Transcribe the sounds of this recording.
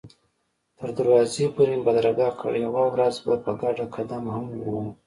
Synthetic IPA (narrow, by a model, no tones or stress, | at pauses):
t̪əɾd̪aɾwɑzepoɾembad̪ɾaɡɑkʰə̰ɽjawawɾazbapəɡaɖakʰad̪amhamwu